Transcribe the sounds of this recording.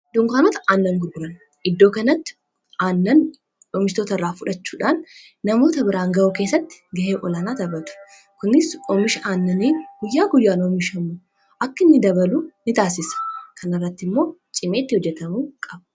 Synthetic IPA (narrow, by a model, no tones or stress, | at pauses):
d̪ʊŋkaːnot̪ɐaːnːɐŋɡʊɾɡʊɾɐn | ʔɪd̪ːo̞ːkɐnɐt̪ːɪ̥ | ʔaːnːɐn | ɔmɪʃt̪oːt̪ɐrːaːfʊᶑɐt͡ʃːu̥ːᶑaːnː | ɐmo̞ːt̪ɐbɪɾaːŋɡɐoke̞ːsːɐt̪ːɪ̥ɡɐheːʔɔlanaːt̪ɐbɐt̪ʊ̥ | kʊnɪsɔmɪʃʔaːnːɐniɡ̥ʊjːaːɡʊjːaːnɔːmɪʃɐmu | ʔɐkːɪnːɪd̪ɐbɐluːnɪt̪aːsɪsɐ̥kʰɐnɐrːɐt̪ːɪmːo̞ːt͡ʃʼɪme̞ːt̪ːɪhɔd͡ʒːɛt̪ɐmuːkʼɐbɐ